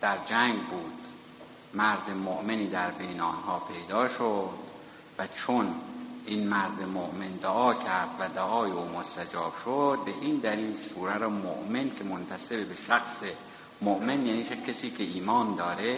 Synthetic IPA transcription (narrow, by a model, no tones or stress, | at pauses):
d̪̥æɾd͡ʒæŋɡbuːd̪̥ | mæɾd̪emoʔme̞niːd̪æɾbejneɑ̰nɦɒːpʰe̞jd̪ɒːʃod̪̥ | væt͡ʃʰonʔiːnmæɾd̪emoʔmend̪oʔɒːcʰæɾd̪væd̪oʔɒːjeuːmost̪æd͡ʒɒːb̥ʃod̪̚be̞ʔiːnd̪æliːlsuːɾæɾomo̰ʔmencʰe̞mont̪ʰæse̞bebe̞ʃæxse | moʔmenjæːniːcʰesiːcʰeiːmɒːnd̪ɒːɾe